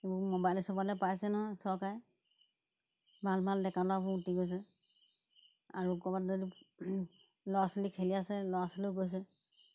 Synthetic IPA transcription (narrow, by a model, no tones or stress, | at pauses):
ebumɔbajlɛsɔbalɛpajsɛnɔɦɔjsɔkaj | bʱalmaldɛkalabɔutiɡojs̬ɛ | aɹukɔbatzodi | lɔasilikʰeliasɛlɔasaliɡojs̬ɛ